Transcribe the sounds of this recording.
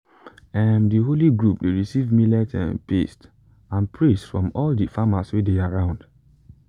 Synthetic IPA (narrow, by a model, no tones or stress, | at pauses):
ɛmdiɦoliɡɹupdeɹisivmilɛtʰɛ̰̃npḛst | ãnpʰɹisfɹɔ̃mɔldifamaswideaɹãʊ̃nd